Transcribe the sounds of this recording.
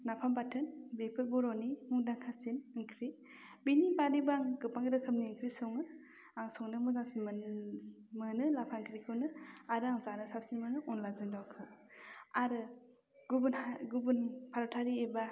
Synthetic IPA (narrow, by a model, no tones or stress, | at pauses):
napʰambatʰɯnbepʰɯɾbɔɾɔnimuŋdaŋkʰasinɯŋkʰɾi | binibaɾibaŋɡɯpaŋɡɾɯkʰɯmniŋkʰɾisɔŋɯ | aŋsɔŋnɯmɯzaŋsimɯn | mɯnɯlapʰaŋkʰɾikʰɯwnɯaɾɯaŋzanɯsap̚simɯnɯʔɔnlazɯŋdawkʰɯwaɾɯ | ɡubɯnaɡubɯnpʰaɾɔtʰaɾieba